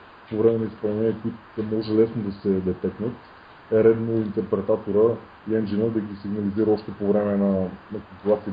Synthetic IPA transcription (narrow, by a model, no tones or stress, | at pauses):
povɾɛmɛnɐispɐlˠnɛniəkʊit̪ʊɛmɔʒɛlɛsnod̪ɐsɛd̪ɛt̪ɛknət̪ | ɛɾɛd̪noint̪ɛɾpɾɛt̪at̪oɾə | iɛnd͡ʒinəd̪ɐɡʲisiɡnɐliziɾəɔʃt̪ɛpovɾɛmɛnɐnɐkompulˠat̪siə